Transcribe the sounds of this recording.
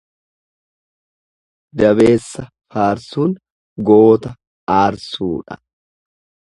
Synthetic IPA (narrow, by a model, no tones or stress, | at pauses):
d̪ɐβe̞ːsːɐ | faːɾsuːn | ɡoːt̪ɐ | aːɾsuːᶑɐ̰